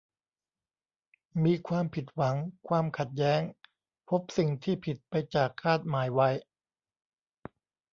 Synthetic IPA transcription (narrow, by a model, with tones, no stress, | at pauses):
miː˧kʰwaː˧mpʰi˨˩t̪̚wa˩˦ŋkʰwaː˧mkʰa˨˩t̪̚jɛː˦˥ŋ | pʰo˦˥p̚si˨˩ŋt̪ʰiː˥˩pʰi˨˩t̪̚pa˧jt͡ɕaː˨˩kʰːaː˥˩t̪̚maː˩˦jwa˧˦˥j